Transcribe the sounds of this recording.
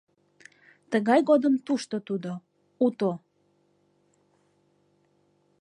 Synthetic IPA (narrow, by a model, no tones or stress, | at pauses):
t̪əɣɑjɣod̪əmt̪uʃt̪ot̪ud̪o | ut̪o